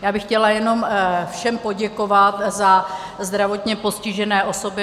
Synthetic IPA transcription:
jaːbɪxcɛlajɛno̞mfʃɛmpo̞ɟɛkovat̪za | zd̪ɾavo̞t̪ɲɛpo̞scɪʒɛnɛːʔo̞so̞bɪ

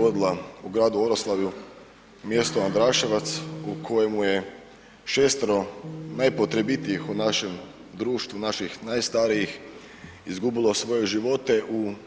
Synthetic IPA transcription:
o̞d̪ilˠauɡɾaːd̪uoɾoslˠaʋju | mje̞st̪oand̪ɾaːʃeʋat̪sukʰo̞je̞muje̞ | ʃe̞ːst̪ɾo̞najpot̪ɾe̞bit̪ijixunaʃe̞m | d̪ɾuːʃt̪ʋunaʃixnajst̪aːɾiix | izɡubilˠo̞sʋo̞jeʒiʋo̞t̪e̞ʔu

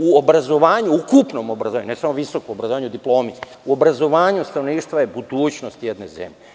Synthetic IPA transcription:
uobɾazo̞ʋaːɲuukupno̞mobɾazoaɲunesamo̞ʋiso̞komobɾazoaːɲud̪iplˠo̞ːmi | uo̞bɾazo̞ʋaːɲust̪ɾanoniːʃt̪ʋajebud̪uːt͡ɕnost̪jed̪ne̞̰zḛmʎe

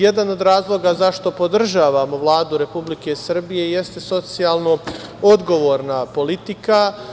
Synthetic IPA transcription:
je̞d̪ano̞d̪ɾaːzlˠo̞ɡazaʃt̪o̞po̞d̪r̩ʒaːʋamo̞ʋlˠaːd̪uɾe̞publike̞sr̩bije̞je̞st̪e̞so̞t̪sijalˠno̞o̞d̪ɡo̞ʋo̞ːɾnapo̞lit̪ika

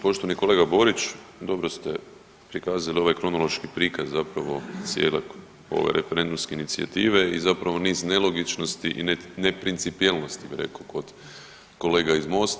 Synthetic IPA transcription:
po̞ʃt̪oʋanikole̞ɡabo̞ɾit͡ʃd̪o̞bɾost̪e̞̰ | pɾikaːzalio̞ʋajkɾo̞nolˠo̞ʃkipɾiːkazzapɾaʋo̞t̪sjḛːle | o̞̰ʋḛɾe̞feɾe̞nd̪umskeinit̪sia̰t̪iːʋe̞izapɾaʋo̞niːzne̞lˠo̞ɡit͡ʃno̞st̪iʔḭnenepɾint̪sipielˠno̞st̪ibiɾe̞̰koko̞d̪ | ko̞le̞ːɡaizmo̞st̪

